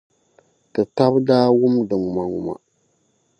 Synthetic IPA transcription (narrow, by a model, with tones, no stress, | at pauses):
tɨ˨ta˦bdaː˦wʊ˦mdɨ˨ŋu˨ma˨ŋu˨ma̰˨